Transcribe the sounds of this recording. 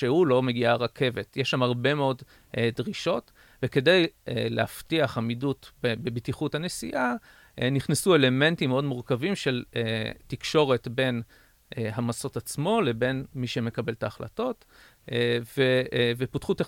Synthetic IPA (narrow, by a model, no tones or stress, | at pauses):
ʃehulo̞me̞ɡiaʁakʰe̞vetjeʃamhaʁbe̞meo̞d | dʁiʃo̞t | veke̞dejeleaftiaχamidutbebebitiχuthane̞sḭʔa | niχnesue̞le̞me̞ntimeo̞dmuʁkavimʃe̞letikʃo̞ʁe̞tbe̞n | ɦamaso̞tat͡smo̞lebe̞nmiʃeme̞kabe̞ltaːχla̰to̞t | veveputχute